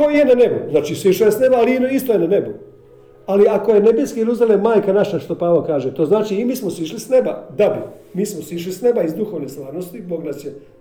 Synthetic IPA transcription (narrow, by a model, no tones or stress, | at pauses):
kojenane̞bṵznaːt͡ʃiːsʋiʃojesne̞baːliinoist̪ojenane̞bu | aliako̞je̞nebeskiɾuzalemaːjkanaʃaʃt̪o̞paːʋokaːʒet̪o̞ːznaːt͡ʃiːmiːsmosiʃlisne̞bad̪abi | miːsmosiʃ̬lisne̞baizd̪uxoʋneslˠaːʋnost̪iboɡnasje